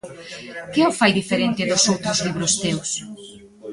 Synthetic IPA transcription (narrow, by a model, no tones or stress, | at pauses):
keʊfajðifeɾent̪ɪðʊsowt̪ɾʊzliβɾʊst̪ews